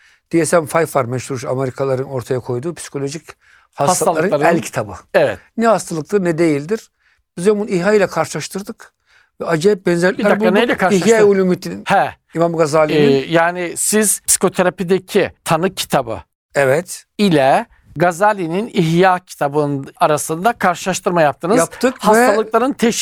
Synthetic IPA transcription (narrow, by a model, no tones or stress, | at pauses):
d̪̥ijesæmfajfaɾmɛʃuɾʃameɾikʰalˠaɾɯno̞ɾt̪ʰajakʰo̞jd̪uːpʰsi̥kʰo̞lʲo̞ʒic | haast̪aalˠaɾɯnˠaɾælʲcʰi̥t̪ʰabɯevɛ̰t̪nɛhast̪ʰalˠɯk̚t̪ɯɾnɛd̪e̞jilʲd̪iɾ̥ | b̥izɛmunihajlʲˠɛkʰaɾʃɯlˠaʃt̪ʰɯɾd̪ɯk | vɛad͡ʒɛɛp̚bɛnzɛɾʲɾabanajlʲɛkʰaɾʃihajaulʲumit̪ʰininhɛ | imamɡazalʲinijaːnisiz̥psi̥kʰo̞t̪ʰeɾapid̪ecʰit̪ʰanɯcʰi̥t̪ʰabɯ̰ | ɛvɛt̪ | ilʲɛ | ɡazalʲininiɦjacʰi̥t̪ʰabɯnaɾasɯnd̪akʰaɾʃɯlˠaʃt̪ʰɯɾmajap̚t̪ʰɯnɯzapt̪ʰɯkhavsɛt̪ʰallˠɯklˠaɾɯnt̪ʰeʃ